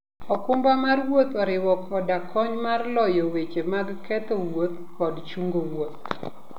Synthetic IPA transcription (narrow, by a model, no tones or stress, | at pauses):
ɔkʊmbamarwot̪ɔɾɪwɔkʰɔdakʰɔɲmarlɔjɔwet͡ʃemaɡkɛt̪ɔwot̪ | kɔdt͡ʃuŋɡowot̪̚